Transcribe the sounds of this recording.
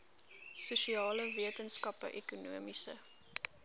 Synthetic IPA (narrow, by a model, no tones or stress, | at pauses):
suʃiɑːləviətənskɐpə̰ʔɛkunuəmisə̰